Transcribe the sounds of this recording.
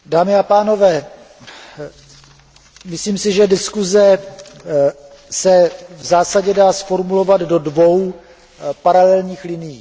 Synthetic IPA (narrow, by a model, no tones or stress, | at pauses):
daːmɪapaːno̞vɛː | mɪsliːmsɪʒɛdɪskuzɛ | sɛvzaːsaɟɛdaːsfo̞ɾmulo̞vaddo̞dvo̞w | paɾalɛlɲiːxlɪnɪjiː